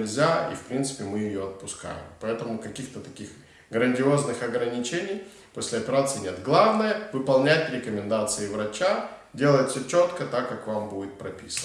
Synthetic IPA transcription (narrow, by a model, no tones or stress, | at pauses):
lʲzʲaḭfpɾʲint̪sɨ̥pʲɪmɨjɪjoɐt̪̚pʊska̰jɪ̰mpɐɛt̪əmʊkɐkʲixt̪ət̪ɐkʲix | ɡɾənʲdʲɪo̞znɨxɐɡɾənʲɪt͡ɕenʲɪj | posʲlʲɪɐpʲɪɾat̪sɨɪnʲe̞t̪ɡlˠavnəjəvɨpɐlˠnʲætʲɾʲɪkəmʲɪnd̪at̪sɨɪvɾɐt͡ɕadʲe̞lˠəjɪtʲsʲɵt͡ɕo̞t̪kət̪akːakvambudʲɪt̪̚pɾɐpʲisən